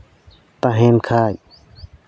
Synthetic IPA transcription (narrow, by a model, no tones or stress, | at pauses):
t̪aɦeːnkʰaːj